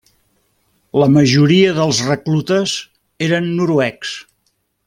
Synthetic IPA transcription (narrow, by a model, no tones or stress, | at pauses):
ləməʒuɾiəðəlˠzrəklut̪əz | eɾənːuɾuɛks